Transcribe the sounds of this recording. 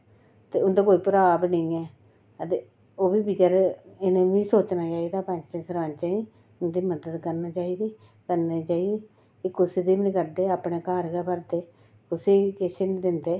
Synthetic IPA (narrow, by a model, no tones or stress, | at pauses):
t̪eːʊnd̪aːkoːiːpəɾaːbnəĩːɛː | ət̪e | oːbiːbiːd͡ʒəɾɪnẽːʋiːsoːt͡ʃnaːt͡ʃaːiːd̪aːpə̃nd͡ʒt͡ʃasəɾaːnt͡ʃaːi | ʊnd̪iːməd̪əd̪kəɾnaːt͡ʃaːiːd̪iː | kəɾneːt͡ʃaːiːd̪i | eːkʊsiːd̪iːmnɪkəɾd̪eːaːpɽeːkaːɾɡɛːpəɾt̪eː | kʊsiːkɪsenːd̪ɪnd̪eː